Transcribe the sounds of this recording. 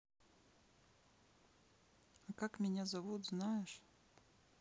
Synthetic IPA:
akakmʲɪnʲazɐvut̪znajɛʂ

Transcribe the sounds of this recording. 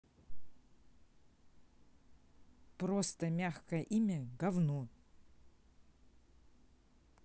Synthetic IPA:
prost̪ɐmʲaxkɐjəʔimʲɐɡɐvno

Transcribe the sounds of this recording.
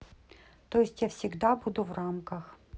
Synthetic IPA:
t̪ojɪsʲtʲjafsʲɪɡd̪abud̪ʊvramkəx

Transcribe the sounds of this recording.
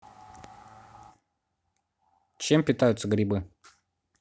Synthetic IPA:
t͡ɕempʲɪt̪ajʊt̪səɡɾʲɪbɨ

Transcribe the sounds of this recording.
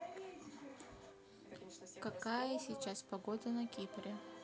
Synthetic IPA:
kɐkajəsʲit͡ɕaspɐɡod̪ənɐkʲipɾʲɪ

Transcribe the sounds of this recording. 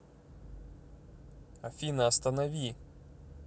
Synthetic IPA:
ɐfʲinɐːst̪ɐnɐʋʲi

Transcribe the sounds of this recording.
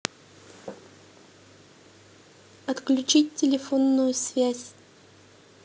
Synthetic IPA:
ɐt̪klʲʉt͡ɕit̚ʲtʲɪlʲɪfonːʊjʊsvʲæsʲ

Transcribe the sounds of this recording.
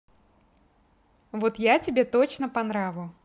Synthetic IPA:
vot̪jat͡sʲɪbʲet̪ot͡ɕnəpɐnɾavɨjʊ

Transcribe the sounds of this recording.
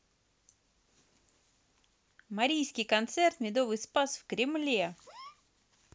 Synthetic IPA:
mɐɾʲijskʲɪjkɐnt̪sɛrt̪mʲɪd̪ovɨjspasfkɾʲɪmlʲe

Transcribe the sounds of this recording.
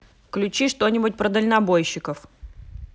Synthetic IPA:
klʲʉt͡ɕiʂt̪o̞nʲɪbʊt̚ʲpɾəd̪əlʲnabojɕːɪkəf

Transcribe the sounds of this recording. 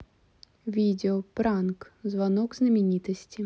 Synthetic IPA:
ʋʲid̪ʲeɔpɾɑnkzʋɐnɔɡznɐmʲinʲit̪ɔsʲtʲi

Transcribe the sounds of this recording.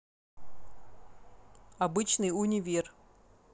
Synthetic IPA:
ɐbɨt͡ɕnɨjunʲɪvʲir

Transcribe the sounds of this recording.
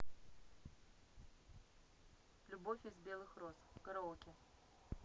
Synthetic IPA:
lʲubofʲɪzbʲelˠɨxroskɐɾɐokʲʼɪ

